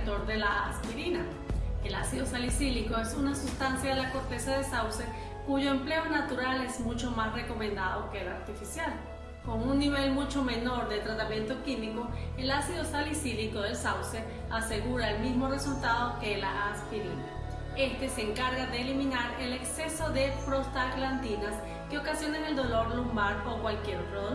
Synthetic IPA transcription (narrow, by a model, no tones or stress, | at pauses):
t̪o̞ɾðe̞laaspiɾina | elasiðosalisiliko̞esunasust̪ansjaðelako̞ɾt̪e̞saðesawse̞ | kuʝo̞emple̞onat̪uɾale̞zmut͡ʃo̞masre̞ko̞mẽnd̪aðo̞ke̞ːla̰ɾt̪ifisjal | ko̞ŋunniβe̞lmut͡ʃo̞me̞no̞ɾðe̞t̪ɾat̪amjẽ̞nt̪okimiko̞elasiðo̞salisiliko̞ðe̞lsawse̞ | ase̞ɣuɾaelmizmo̞re̞sult̪að̞o̞ke̞laʔastilḭna | e̞st̪e̞se̞ːŋkaɾɣaðeːlimĩnaɾe̞le̞kse̞so̞ðe̞pɾo̞st̪aklant̪inas | keo̞kasjo̞neŋe̞ld̪o̞lo̞ɾlumbaɾo̞kwalkje̞ɾot̪ɾoðo